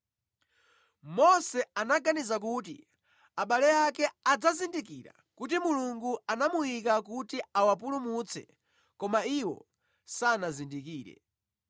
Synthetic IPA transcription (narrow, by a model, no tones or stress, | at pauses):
mɔsɛanaɡanizak̬ut̬ḭ | aɓalɛjakɛad͡zazindik̬iɾa̰ | kut̬imuluŋɡuanamujikak̬utiawap̬ulumut͡sʰɛ̰ | kɔmaiwɔ̰ | sanazindikiːɾɛ̰